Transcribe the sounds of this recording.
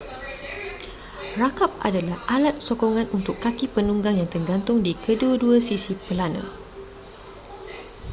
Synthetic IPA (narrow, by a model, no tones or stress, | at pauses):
rakap̚a̰dalahʔalat̪̚sokoŋãnunt̪ʊkːakipənuŋɡaŋjaŋt̪əŋɡant̪ʊŋdikʰəduəduasisipəlanã̰